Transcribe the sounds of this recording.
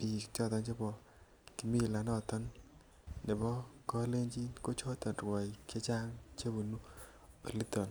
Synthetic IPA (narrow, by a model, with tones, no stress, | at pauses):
pi˨t͡ʃɔ˦˨t̪ɔ˧˦nt͡ʃe˦bɔ˨ | ki˨mi˦˨la˨nɔ˦˨t̪ɔ˦nː | ɛ˨bɔ˦kɔ˦le˦ɲd͡ʒi˦ko˦t͡ʃɔ˦t̪ɔ˨nrwɔ˨i˨ke˦t͡ʃa˦ŋt͡ʃe˦bu˨nu˦ | o̰˨li˦t̪ɔ˨n